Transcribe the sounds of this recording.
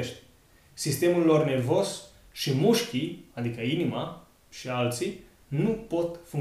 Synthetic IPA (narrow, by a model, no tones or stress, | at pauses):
ʃt̪ʲ | sist̪e̞mulːo̞rne̞rvo̞z | ʃimuʃkʲiad̪ikəinima | ʃialt̪si | nupo̞t̪fuŋ